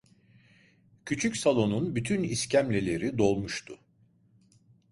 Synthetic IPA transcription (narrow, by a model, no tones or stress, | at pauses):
cʰyt͡ʃʰycsalˠo̞nunbyt̪ʰyniscʰæmlʲe̞lʲe̞ɾid̪o̞lˠmuʃt̪ʰʊ